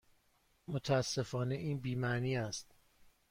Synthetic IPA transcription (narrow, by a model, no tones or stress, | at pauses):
mot̪ʰææsːe̞fɒːne̞ʔiːnbiːmæniːæst̪